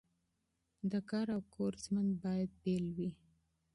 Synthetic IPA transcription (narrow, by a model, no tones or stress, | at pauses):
d̪əkɑɾawkʰoɾzmanbɑjad̪̚belwi